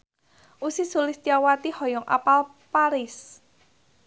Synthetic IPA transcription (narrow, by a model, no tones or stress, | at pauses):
ʔusisulɪst̪iawat̪ihɔjɔŋʔa̰pal | paɾɪs